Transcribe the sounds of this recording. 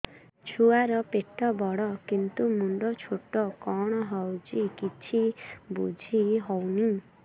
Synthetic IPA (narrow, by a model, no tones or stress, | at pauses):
t͡ʃʰuaɾɔpeʈːɔbɔɽɔkint̪umuɳɖɔt͡ʃʰoʈɔkɔɽ̃ɔɦɔwt͡ʃikit͡ʃʰibud͡ʒʱiɦɔwni